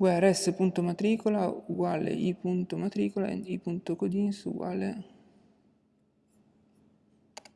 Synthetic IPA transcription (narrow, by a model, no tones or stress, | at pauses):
ɡwɛɾɛsːepunt̪omat̪ɾiːkolauɡwaːlḛʔipunt̪omat̪ɾiːkola̰ḛnd̪ipunt̪okod̪insṵɡwa̰ːlḛ